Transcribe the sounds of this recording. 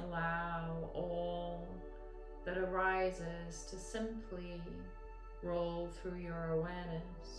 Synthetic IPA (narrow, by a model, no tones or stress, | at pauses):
əlaʊɔlˠ | ðɨɾə˞aɪzɪz̥tʰɨsɪ̃mpʰli | ɹoʊlˠθɹʉjə˞əwɛɹnɨ | s